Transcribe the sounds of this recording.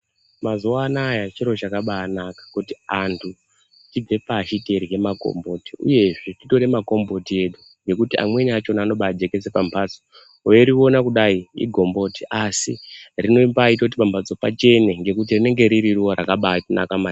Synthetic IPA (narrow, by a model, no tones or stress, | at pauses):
mazuwanajat͡ʃiɾo̞t͡ʃakaɓaːnakḁkutiantʰu | tib͡ve̞paːʃite̞ɾiɦe̞mako̰mbo̞tiṵje̞ʐetito̞ɾemako̞mbo̞tie̞ɗu | ŋɡe̞kutia̰mwe̞ɲat͡ʃo̞naːno̞ɓaːd͡ʒe̞ke̞d͡ze̞pampʰad͡zo | ojeɾio̞nakuɗaiḭɡʱo̞mbotiʔasḭrino̞mbaitout̬ipampat͡sopat͡ʃe̞neŋɡe̞kut̬irine̞ŋɡe̞ɾiɾiruwoɾa̰kaɓana̰kama